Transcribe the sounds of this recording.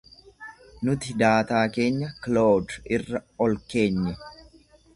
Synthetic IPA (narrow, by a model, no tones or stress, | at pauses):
nʊt̪ɪd̪aːt̪aːke̞ːɲːɐkloːd̪ɪrːɐɔlke̞ːɲːɛ